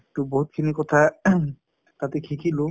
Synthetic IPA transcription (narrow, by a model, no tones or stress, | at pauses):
ek̚tuboɦut̪̚kʰinikɔt̪ʰa | t̪at̪ekʰikʰilʊ